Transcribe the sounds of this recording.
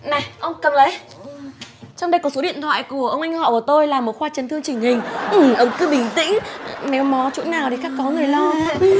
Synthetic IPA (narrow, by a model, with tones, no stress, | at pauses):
na˨˩ʔə˧wŋ͡mkə˨˩mlə˨˦j | t͡ɕa˧wŋ͡mɗə˧jkɔ˨˦so˨˦ɗḭ˧˨ənt̪ʰwa̰ː˧˨jku˧˩əʔə˧wŋ͡mʔa˧ŋ̟hɔ̰˧˨kt̪o˧jlaː˨˩mo˨˩t̚xwaː˧t͡ɕə˨˦nt̪ʰɨ˧əŋt͡ɕï˨˩ŋ̟hï˨˩ŋ̟ʔɨ˨˩ʔə˨˧wŋ͡mkɨ˧ɓï˧˩ŋ̟t̪ḭ̈˧˥ŋ̟nɛ˨˦wmɔ˨˦t͡ɕṵ˧˥naː˨˩wt̪ʰi˨˩xaː˦˥kːɔ˨˦ŋɨ˨˩əjlɔ˧